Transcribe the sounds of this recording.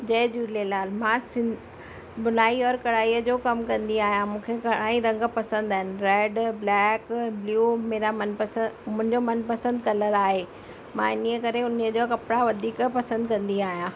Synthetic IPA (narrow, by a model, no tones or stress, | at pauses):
d͡ʑɐːd͡ʑuːlelaːlmãːsɪ̃ | bʊnaːiɔːɾkɐɽaːiːəd͡ʑoːkɐmkɐ̃nd̪iaːɦijãmũːkʰekɐɽaːiɾɐ̃ŋɡpɐsə̃nd̪aːɦɪnɪ̆ɾɛːɖblɛːkbljuːmeːɾamɐnpmʊ̃ɦɪ̃ɲd͡ʑomɐnpɐsə̃nd̪kɐləɾaːɦe | mãːɪniəkɐɾeʊniəd͡ʑoːkɐpɽaʋɐd̪ʱiːkpɐsə̃nd̪kɐ̃nd̪iaːɦijãː